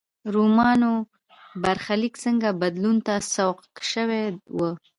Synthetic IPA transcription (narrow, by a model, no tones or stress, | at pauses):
ɾumɑno | baɾxaliksəŋɡabad̪lunt̪asawqʃəwewə